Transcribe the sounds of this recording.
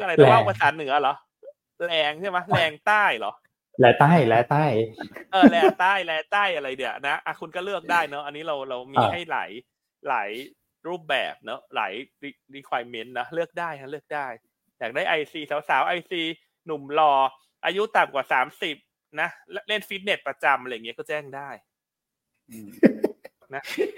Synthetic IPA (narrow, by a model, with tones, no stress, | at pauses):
la˧˨˩a˧˩pa˧saː˨˩˦nɯ˨˩˦ɐlɔ˨˦ʔ | lɛː˧ŋt͡ɕʰaː˥˩ma˦˥lɛː˧ŋt̪aː˥˩jlɔ̰˨˩˦ʔ | lɛː˨˦t̪aː˥˩jlɛː˨˦t̪aː˥˩jʔɤː˧lɛː˧ŋt̪aː˥˩jlɛː˧t̪aː˥˩jʔa˧ɾa˧jdi˧ɐna˦˥ʔa˧˩kʰu˧nkɔː˥˩lɯ˥˩ək̚daː˥˩jnɔ˦˥ʔa˧nːiː˦˥ɾa˧wɾa˧wmiː˧ɦa˥˩jla̰ː˩˦j | la̰ː˩˦j | ɾuː˥˩p̚bɛ̰ː˨˩p̚nɔ˦˥la̰ː˩˦jɾi˧ɾiː˦˧˥kʰwaː˧jme˦˥nnɔ˦˥lɯ˥˩ək̚daː˥˩ja˥˩lɯ˥˩ək̚daː˥˩j | jaː˨˩daː˥˩jʔa˧jsiː˧saː˩˦wsaː˨˩˦wʔa˧jsiː˧ | nu˨˩mlɔː˧ | ʔaː˧ju˦˥t̪a˨˩mkwaː˨˩saː˩˦msi˨˩p̚ | na˦˥˦le˥˩nfi˦˥t̪̚ne˨˩t̪̚pɾa˧t͡ɕa˧mʔjŋi˦˥˧kɔː˥˩t͡ɕɛː˥˩ŋdaː˥˩j | na˦˥